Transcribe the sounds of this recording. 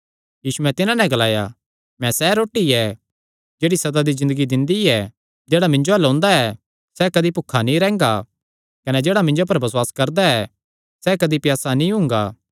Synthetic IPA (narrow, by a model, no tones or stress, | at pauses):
jiːsuɛ̃t̪ɪnãnɛ̃ɡɐlaːja̰ | mɛ̃sɛɾoːʈːiɛ | d͡ʒeːɽisɐd̪ad̪izɪ̃nd̪əɡid̪ɪ̃nd̪iɛ | d͡ʒeːɽamɪ̃ɲd͡ʒoɐlõːnd̪aɛ | sɛkɐd̪ipʊkʰanĩɾɛ̃ːŋɡa | kɐnɛd͡ʒeːɽamɪ̃ɲd͡ʒop̬ɐɾbɐswaːskɐɾd̪aɛ | sɛkɐd̪ipjaːsanĩɦʊ̃ːŋɡa̰ː